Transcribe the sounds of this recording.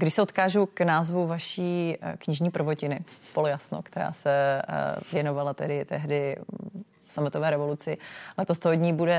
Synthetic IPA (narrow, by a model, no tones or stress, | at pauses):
ɡdɪʃsɛot̪kaːʒuknaːzvuvaʃiːkɲɪʒɲiːpr̩vocɪnɪpolojasno̰kt̪ɛɾa̰ːsɛ | vjɛno̞valat̪ɛdɪt̪ɛɦdɪ | samɪt̪ovɛːɾɛvo̞lut͡sɪlɛt̪ost̪oɦoɟɲiːbudɛ